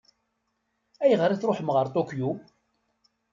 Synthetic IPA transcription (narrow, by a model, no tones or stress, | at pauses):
æjʁɾˤaθɾoħəmʁəɾt̪ˤokju